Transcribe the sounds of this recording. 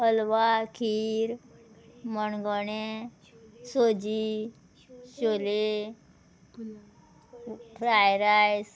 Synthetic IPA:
əlʋakʰiːɾ | mənɡɔɳe | sod͡ʑi | ɕole | pʰɾajɾajs

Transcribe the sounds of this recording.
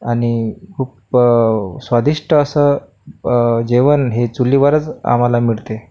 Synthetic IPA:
aɽ̃ikʰuːp | sʋad̪iʂʈʰəəsə | d͡ʑeʋənɦet͡sulːiʋaɾət͡sa̰m̤alamiɭt̪e

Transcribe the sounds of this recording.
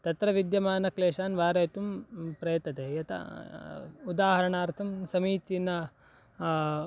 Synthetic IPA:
t̪ɐt̪ɾɐʋid̪jɐmaːnɐkleːʂaːnʋaːɾɐːt̪umpɾɐjɐt̪ɐt̪eːjɐt̪ɐ̰ | ud̪aːɦɐɾɐɳaːɾt̪ʰɐmsɐmiːt͡ʃinɐ

